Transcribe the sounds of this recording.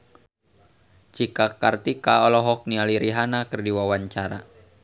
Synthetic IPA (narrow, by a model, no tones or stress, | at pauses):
t͡ʃikakart̪ikaɔlɔɦɔk̚nialiɾiɦanakərdiwawaɲt͡ʃaɾa